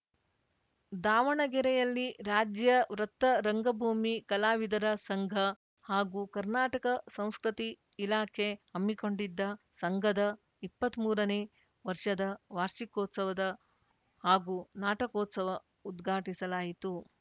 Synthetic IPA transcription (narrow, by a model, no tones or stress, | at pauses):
d̪aːʋɐɳɐɡɛɾɛjɐlːiɾaːd͡ʒjɐʋɾɐt̪ːɐɾɐŋɡɐbʱuːmikɐlaːʋid̪ɐɾɐsɐŋɡʱɐ | haːɡuːkɐɾnaːʈɐkɐsɐ̃w̃skɾut̪iː | laːkʰe̞hɐmːikoɳɖid̪ːɐ | sɐŋɡʱɐd̪ɐ | ipːɐt̪ːmuːɾɐne | ʋɐɾʂɐd̪ɐʋaːɾʂikɔːt̪sɐʋɐd̪ɐ | haːɡunaːʈɐkɔːt̪sɐʋɐ | ud̪ɡʱaːʈisɐlaːjit̪u